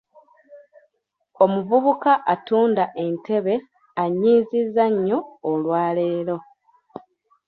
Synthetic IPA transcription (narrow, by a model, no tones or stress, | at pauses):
o̞muvuβukaʔatuːndaʔe̞ntʰe̞βe̞ | aɲːiːzizːaɲːo̞ːlwaːle̞ːlo̞